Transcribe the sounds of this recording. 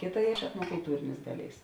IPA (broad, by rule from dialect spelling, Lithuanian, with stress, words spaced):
ˈkʲeːˌtɐ ɛtnoːkʊlˠˈtuːrʲeːnʲeːs ˈdɑːˌlʲeːɪs